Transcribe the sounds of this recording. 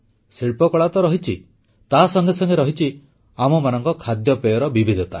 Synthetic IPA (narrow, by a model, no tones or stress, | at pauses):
siɭpɔkɔɭat̪ɔɾɔɦit͡ʃʰi | t̪asɔŋɡesɔŋɡeɾɔɦit͡ʃʰi | amɔmanɔŋkɔkʰad̪jɔpejɔɾɔbibʱid̪ʱɔt̪a̰